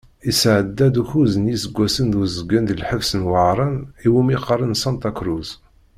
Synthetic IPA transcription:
isʕəd̪ːæd̪uçuzənjisəɡʷːæsənd̪uzəɡːənd̪əlħəfsənwəʕɾˤəniwumiqəɾˤənsɑnt̪ɑkɾuz

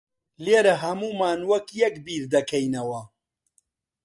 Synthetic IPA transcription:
leːɾɐɦɐmuːmaːnwɐkjɛkbiːɾd̪ɐkʰɐjnɐwɐ

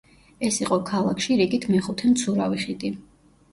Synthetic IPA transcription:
ɛsiqʼɔkʰalˠakʰʃiɾiɡʼit̪ʰmɛχut̪ʰɛmt̪sʰuɾaviχid̪i

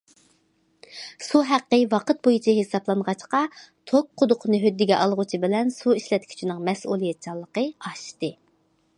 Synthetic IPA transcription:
suɦæqːəwɑqət̪̚bojut͡ʃʰiɦesɑblˠɑnʁɑt͡ʃqɑt̪ʰok̚qʰʊd̪ʊqʰnɨɦød̪ːɪɡʲɛʔɑlˠʁʊt͡ʃʰibɪlɛnsuiʃlɛt̪kʲʰy̥t͡ʃʰinɪŋmɛsulˠijɛt̪̚t͡ʃʰɑlˠːəqəɑʃt̪ɨ

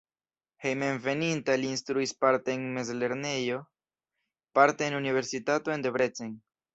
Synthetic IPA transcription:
he̞jmenve̞nintaliːnst̪ɾuispaɾte̞ːnmezle̞ɾne̞jo̞ | paɾte̞ːnunive̞ɾsitato̞ende̞bɾe̞t͡sen

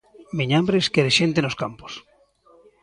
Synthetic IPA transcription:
miɲambɾeskeðeʃent̪enoskampo̥s

